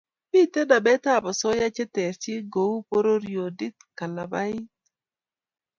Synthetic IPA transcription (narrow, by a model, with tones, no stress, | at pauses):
bi˦t̪ɛ˦da˨bɛ˦t̪a˦˨ba˨sɔ˦ja˦t͡ʃɛ˦t̪ɛ˨ɾt͡ʃɪ˦ɡo˨u˦po˦ɾo˦ɾjo˨di˦t̪ka˨na˨ba˦i˦t